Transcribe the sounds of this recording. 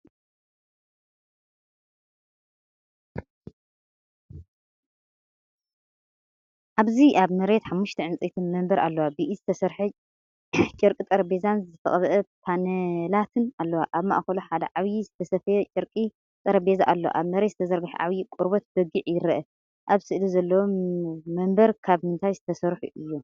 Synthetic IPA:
ʔaβziʔaβmɐɾe̞t̪ħamːuʃt̪ʰɐʕɨnt͡sʼit̪ʰɨnmɐmbɐɾʔa̰lːɐwabɨʔizɨt̪ʰɐsɐɾħu | t͡ʃʼɪɾkʼit̪ʼɐɾɐbe̞zanzɨfɐ̰χʼβʔɐpʰanɐlat̪ʰɨnalːɐwaʔaβma̰ʔxɐluħad̪ɐ̰ʕaβjizɨt̪ʰɐsɐfɐjɛt͡ʃʼɨɾkʼi | t̪ʼɐɾɐbe̞za̰ʔalːo̰ʔa̰βmɐɾet̪z̥ɨt̪ʰɐzɐɾɡɨħṵʕa̰βjikʼuɾbot̪̚bɐɡɨʕjɪɾɐʔɐ | ʔaβsɨʔlizɐlːɐwomːɐmbɐɾkʰaβmɨnt̪ʰajzɨt̪ʰɐsɐɾħṵʔɨjːu

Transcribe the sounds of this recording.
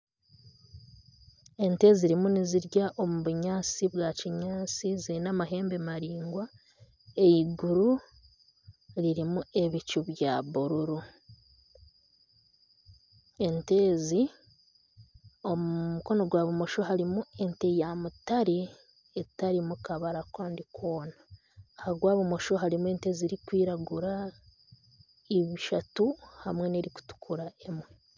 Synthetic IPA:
e̞nte̞ːziɾimuniziɾɟaʔo̞muβuɲaːt͡siβwaciɲaːt͡siziɾinamaɦe̞ːmbe̞maɾiːŋɡwa | e̞jiɡuɾu | ɾiɾimue̞βicuβjaːβuɾuɾu | e̞nte̞ːzi | o̞muumuko̞no̞ɡwaːβumo̞ʃo̞ɦaɾimue̞ntejamutaɾi | etaɾimukaβaɾakaːndikʰoːnaː | haɡwaːβumo̞ʃo̞ɦaɾimue̞ːnte̞ːziɾikwiːɾaɡuɾa | iβiʃatuhamwe̞neɾiku̥tu̥kʰuɾae̞mwe

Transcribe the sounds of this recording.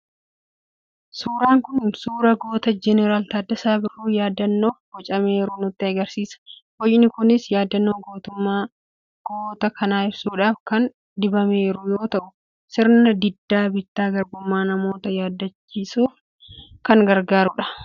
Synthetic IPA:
suːɾaːŋkʊnsuːɾɐɡo̞ːt̪ɐd͡ʒɛnɛɾaːlt̪aːd̪ːɐsaːbɪrːuːjaːd̪ːɐnːo̞ːfɔt͡ʃʼɐme̞ːɾʊnʊt̪ːɪɐɡɐɾsiːsɐ̥hɔjnɪkʊnɪsjaːd̪ːɐnːo̞ːɡoːt̪ʊmːaː | ɡ̥oːt̪ɐkʰɐnaːɪbsuːᶑaːfkɐn | d̪ɪbɐme̞ːɾʊjoːt̪ɐʔʊ | sɪɾnɐd̪ɪd̪ːaːbɪt̪ːaːɡɐɾbʊmːaːnɐmo̞ːt̪ɐjaːd̪ːɐt͡ʃːiːsuːf | kɐŋɡɐɾɡaːɾʊᶑɐ̥

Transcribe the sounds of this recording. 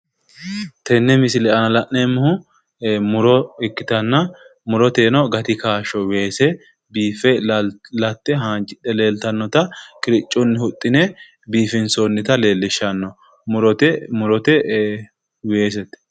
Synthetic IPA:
t̪ɛnːɛmɪsɪlɛɐnɐlɐʔːemːʊhʊ | mʊɾɔɪkːɪ̥t̪ɐnːɐmʊɾɔt̪eːnɔɡɐt̪ɪkaːʃɔwe̞ːsɛ | biːfɛlɐt̪ːɛɦaːnd͡ʒʼɪᶑɛle̞ːlt̪ɐnːɔt̪ɐkʼɪɾɪt͡ʃʼːʊnːɪhʊt̪ʼːɪnɛ | biːfɪnsonːɪt̪ɐle̞ːlːɪʃːɐnːɔ | mʊɾɔt̪ɛmʊɾɔt̪ɛ | weːs̬ɛt̪ːɛ̥

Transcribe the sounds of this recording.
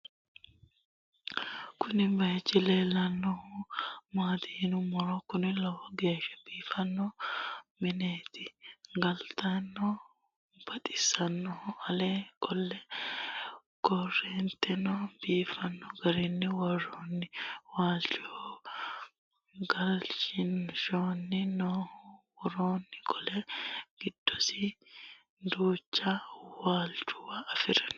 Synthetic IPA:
kʊnɪbɐjt͡ʃːɪleːlɐnːɔhʊmaːt̪ihnʊmɔɾɔkʊnɪlɐwɐɡe̞ːʃɐ̥b̥iːfɐnːɔmɪneːt̪ɪɡɐlt̪ɐnːɔ | b̥ɐt̪ʼɪ̥sɐnːɔɐlekʼɔlːɛ | ɡ̥ɔrːeːnt̪ɛnoːb̥iːfɐnːɔɡɐɾɛnːɪwɐroːnːɪwaːlt͡ʃʼo | ɡɐlt͡ʃɪnʃoːnːɪnoːwɔɾoːnːɪkʼɔlɛɡ̥ɪd̪̥ːɔsɪ | d̪uːt͡ʃːawaːlt͡ʃʊwaːfɪɾɐn

